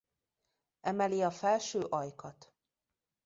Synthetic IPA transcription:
ɛmɛliɒfɛlʃøːʔɒjkɒt̪

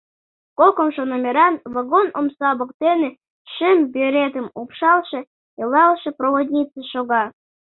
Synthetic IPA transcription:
kokŏmʃonomʲeɾɑnvɑɡonomsɑbɤ̆k̚t̪enĕ | ʃɘmbʲeɾʲed̪ə̆mupʃɑlˠʃĕ | elˠɑlˠʃɤ̆proβod̪ʲnʲit͡səʃoɣɑ

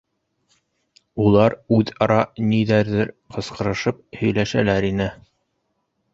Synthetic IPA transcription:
ulˠɑɾʉðɑɾɑniðæɾðɘɾ | qɤ̆sqɤ̆ɾɤ̆ʃɤp̚hɵ̆jlæʃælæɾinɘ

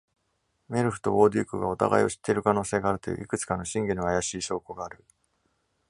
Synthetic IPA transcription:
me̞ɾɯ̟ɸɯ̟t̪o̞oːd̪ʲikɯ̟ɡao̞t̪a̰ɡa̰ḭo̞ɕi̥t̪ʰːe̞ɾɯ̟kano̞ːse̞ːɡaːɾɯ̟t̪ojɯ̰ːʔikɯ̟t͡sɨ̥kano̞ɕĩŋɡenoajaɕiːɕo̞ːko̞ɡaːɾɯ̟

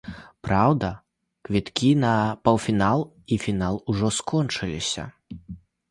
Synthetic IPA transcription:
pɾawd̪ɐ | kvʲit̪kʲinɐpɐw̪fʲinalˠ | ifʲinalˠuʐɔskʰɔnt͡ʂɨlʲisʲɐ̰

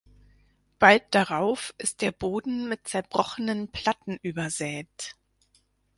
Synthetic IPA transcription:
b̥alt̚d̥aʁaʊfɪst̚d̥eːɐboːdn̩mɪt̚t͡sɛɐbʁɔχənənpʰl̥atn̩ʔyːbɐzɛːt

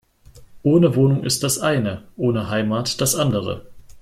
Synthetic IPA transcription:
ʔoːnəvoːnʊŋʔɪ̰st̚d̥asʔaɪnəʔoːnəɦaɪmaːtd̥asʔandəʁ̞ə̰

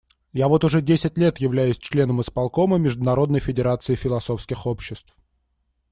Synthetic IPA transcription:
javo̞t̪ʊʐɛdʲesʲɪtʲlʲe̞t̪jɪvlʲæjʊsʲt͡ɕlʲe̞nəmɨspɐlˠko̞məmʲɪʐd̪ʊnɐɾo̞d̪nəjfʲɪdʲɪɾat̪sɨɪfʲɪlˠɐso̞fskʲɪxo̞pɕːɪst̪f

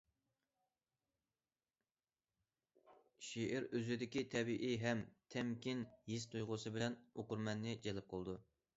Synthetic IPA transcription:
ʃiʔɪɾøzyd̪ɪkʲit̪ʰɛbiʔiɦɛmt̪ʰɛmkʲinhist̪ʰujʁʊsɨbɪlɛnoqʊɾmɛnːɪd͡ʒelɪp̚qʰəlˠɨd̪u

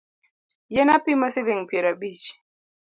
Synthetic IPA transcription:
jɛnapimasiðiŋpiɾabit͡ʃ

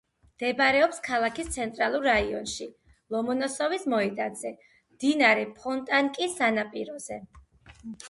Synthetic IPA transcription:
md̪̥ɛbɾɛɔpskʰalˠakʰist̪sʰɛnt̪ʼɾalˠuɾːaiɔnʃi | lˠɔmɔnɔsɔvismɔɛd̪ad̪zɛ | md̪̥inaɾɛpʰɔnt̪ʼaŋkʼisanapʼiɾɔz̥ɛ

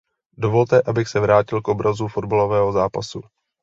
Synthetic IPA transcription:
do̞vo̞lt̪ɛʔabɪxsɛvɾaːcɪlkʔo̞bɾʔazufo̞dbalo̞vɛːɦo̞zaːpasu

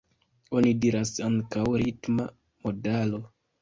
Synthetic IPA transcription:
o̞nidiɾasaŋkawɾitma | mo̞dalo̞

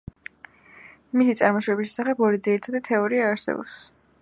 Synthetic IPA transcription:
misit̪sʼaɾmɔʃwɛbiʃɛsaχɛbɔɾid̪ziɾit̪ʰad̪at̪ʰɛɔɾiaːɾsɛ̰bɔ̰ps

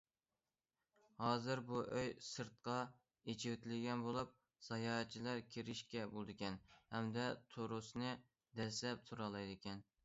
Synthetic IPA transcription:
hɑːzɨɾbuʔøjsɨɾt̪̚qɑ | et͡ʃʰɪwɪt̪ʰɪlɡʲɛnbolˠup̚ | z̥ɑjɑːt͡ʃʰːilˠɑɾkʲʰeɾɪʃkʲɛbolˠd̪ɪkʲɛnhɛmd̪ɛt̪ʰoɾusnɨ | d̪ɛslɛp̚t̪ʰuɾɑlˠɑjd̪ɪkʲɛn

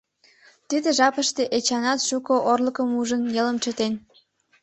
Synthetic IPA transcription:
t̪id̪eʒɑpəʃt̪eʔet͡ɕɑnɑt̪ʃukoʔorləkəmuʒənjeləmt͡ɕə̆t̪en

